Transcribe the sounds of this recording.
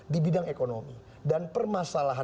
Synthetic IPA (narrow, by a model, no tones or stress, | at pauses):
dibidaŋekonomi | danpərmasalaɦa